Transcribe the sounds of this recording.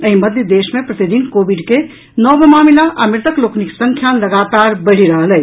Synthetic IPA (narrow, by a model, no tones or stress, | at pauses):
əɦĩməd̪jəd̪esmẽpɾət̪id̪inkobiɖke | nɔbʱmaːmilaʔamɾt̪əklokniksəŋkʰjaləɡat̪aɾbəɽ̤iɾəɦəlɛj